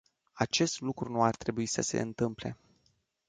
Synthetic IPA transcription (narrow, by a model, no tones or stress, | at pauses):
at͡ʃe̞st̪lukɾunuart̪ɾe̞buisəse̞̰ɨnt̪ɨmple̞̰